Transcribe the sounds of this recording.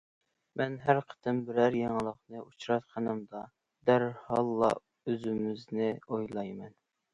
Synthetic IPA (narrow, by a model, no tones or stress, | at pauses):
mʔɛnɦæɾqʰə̥t̪ʰɨmbɪɾæɾjeŋlˠəqnɨʔut͡ʃɾɑt̪qʰɑnɨmd̪ɑ | d̪æɾhɑlˠːɑ̰ | øzymɪznɪojlˠɑjmɛn